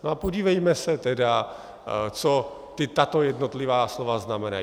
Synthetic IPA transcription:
noapoɟiːvɛjmɛsɛt̪ɛda | t͡so | t̪ɪt̪at̪o̞jɛdnot̪lɪvaːslovaznamɛna̰

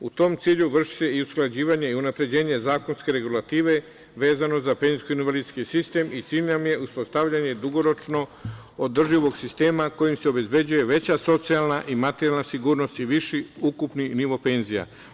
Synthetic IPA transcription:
ut̪o̞mt̪siːʎuʋr̩ʃi̥se̞iusklad͡ʑiːʋaɲe̞iunapɾe̞d͡ʑe̞ːɲe̞zaːko̞nske̞ɾe̞ɡulat̪iːʋe̞ | ʋe̞ːzano̞zape̞nziskoinʋalid̪skisist̪e̞mit̪siːʎnamje̞ʔuspost̪aʋʎaɲe̞d̪uɡo̞ɾo̞t͡ʃno | od̪r̩ʒiʋo̞ɡsist̪e̞ːmako̞jimseo̞be̞zbe̞d͡ʑuje̞ʋe̞t͡ɕaso̞t̪sialˠnaʔimat̪eɾjalnasiɡuːɾno̞st̪iʋiʃiukupniniʋo̞pe̞nzija̰

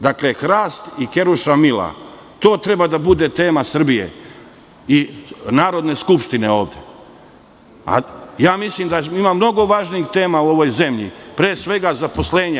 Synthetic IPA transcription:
d̪aklexɾaːst̪ike̞ɾuʃamila̰ | t̪o̞ːt̪ɾe̞bad̪abud̪e̞t̪e̞ːmasr̩bije̞̰ | inaːɾo̞d̪ne̞skupʃt̪ine̞o̞ːʋd̪ʲjḛ | a̰jaːmislimd̪aimamno̞ɡo̞ʋaːʒniixt̪e̞ːmauo̞ʋo̞jze̞mʎḭpɾeːsʋe̞ɡazapo̞sle̞ːɲa

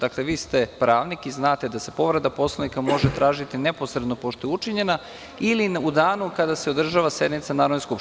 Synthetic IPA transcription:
d̪akleʋiːst̪e̞pɾaːʋnikiznaːt̪e̞d̪ase̞po̞ʋɾed̪apo̞slˠanikamo̞ʒet̪ɾʔaːʒit̪ineposɾed̪no̞po̞ʃt̪ojɛut͡ʂiɲe̞na | ilinud̪aːnukad̪aseod̪r̩ʒaʋase̞d̪nit̪sanaːɾod̪neskup

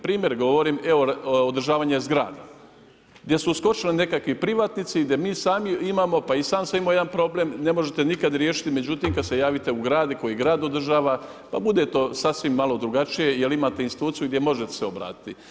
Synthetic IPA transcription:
pɾiːmjeɾɡo̞ʋo̞ɾiːmeood̪ɾ̩ʒaːʋaːɲezɡɾa̰ːd̪a | ɡd̪je̞susko̞t͡ʃeline̞kakʋipɾiʋaːt̪nit̪siɡd̪je̞miːsaːmiimaːmo̞paisaːmsaimoje̞d̪anpɾo̞ble̞mne̞mo̞ʒet̪e̞nikad̪ɾje̞ːʃi̥t̪ime̞d͡ʑut̪imkad̪se̞jaːʋit̪e̞uɡɾaːd̪iko̞jiɡɾaːd̪od̪r̩ʒaːʋa | pa̰bud̪e̞t̪o̞ːsasʋimːalo̞d̪ɾuɡat͡ʃije̞jelimaːt̪e̞insit̪uːt̪sijuɡd̪je̞mo̞ʒet̪e̥seo̞bɾa̰ːt̪i̥t̪i

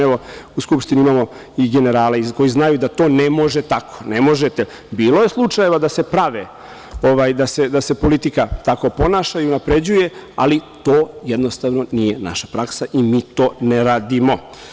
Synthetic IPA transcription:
eʋo̞uskupʃt̪iniimaːmo̞ | iɡe̞ne̞ɾaːleiko̞jiznajud̪at̪o̞ːnemo̞ʒet̪akʰo̥nemo̞ʒet̪e | biːlo̞je̞slˠut͡ʂaje̞ʋad̪ase̞pɾaʋe | oʋaːjd̪ase̞d̪ase̞po̞lit̪ikat̪ako̞po̞naːʃaiunapɾe̞d͡ʑuje̞a̰lit̪oːjed̪no̞st̪aʋno̞nijena̰ʃḁpɾaksaʔimiːt̪o̞ːneɾaːd̪imo̞

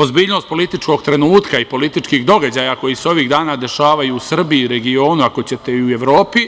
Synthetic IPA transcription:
o̞zbiːʎno̞st̪po̞lit̪it͡ʃko̞ɡt̪ɾenuːt̪kaipo̞lit̪it͡ʃkiːɣd̪o̞ɡad͡ʑaːjako̞jiseo̞ʋiːɣd̪aːnaːd̪e̞ʃaːʋajuusr̩biiɾe̞ɡio̞ːnuako̞t͡ɕe̞t̪e̞iue̞ʋɾo̞ːpi

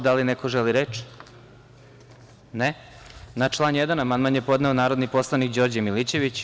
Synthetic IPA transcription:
d̪alinekoʒeliɾet͡ʃ | ne | nat͡ʃlˠanjed̪anamanmanjepo̞d̪neonaːɾod̪nipo̞slˠanikd͡ʑo̞ɾd͡ʑemilit͡ɕeʋit͡ɕ

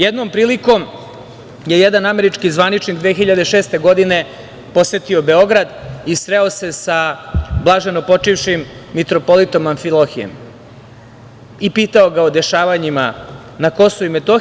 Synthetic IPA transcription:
jed̪no̞mpɾiːliko̞m | je̞jed̪aname̞ɾit͡ʂkizʋanit͡ʃnikd̪ʋeːxiʎad̪eʃeːst̪e̞ɡo̞d̪ine̞ | po̞set̪io̞be̞o̞ɡɾad̪isɾeo̞se̞sablˠaʒeno̞po̞t͡ʂiʋʃimːit̪ɾo̞po̞lit̪o̞maɱfilˠoxijḛm | ipiːt̪ao̞ɡaod̪e̞ʃaːʋaɲima | nako̞souime̞t̪o

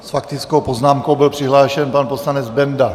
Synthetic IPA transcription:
sfak̚t̪ɪt͡skowpoznaːmkowbɪlpr̥ɪɦlaːʃɛnpanposlanɛd͡zbɛnda

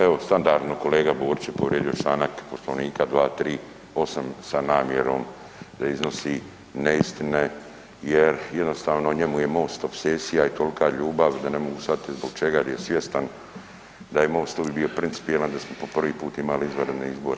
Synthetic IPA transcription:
eʋo̞st̪and̪aɾd̪noko̞le̞ːɡaboːɾit͡ɕepo̞ʋɾʲʔjeːd̪ijo̞t͡ʃlaːnakpo̞slo̞ʋniːkad̪ʋaːt̪ɾiː | o̞samsanaːmje̞ɾo̞̰ːm | d̪aizno̞si | neist̪ine | jeɾje̞d̪no̞st̪aːʋno̞ɲemuje̞mo̞ːst̪ofseːsijait̪o̞likʰaʎuːbaʋd̪ane̞mo̞ɡusat̪izbo̞ɡt͡ʃe̞ɡad̪ajesʋje̞st̪an | d̪ajemo̞ːst̪obibio̞pɾinsi̥pijeland̪asmopo̞pr̩ʋiːpuːt̪imaliizʋəɾed̪neizbo̞ɾe

